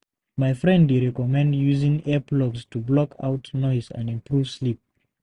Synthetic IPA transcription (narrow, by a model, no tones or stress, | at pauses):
maɪfɹɛ̃ndwiɹɛkɔmɛ̃ndjuzɪ̃ŋɛplɔɡstʰublɔkʰa̰ʊtnɔɪzə̰̃ndɪ̃mpʰɹuv̥slip̚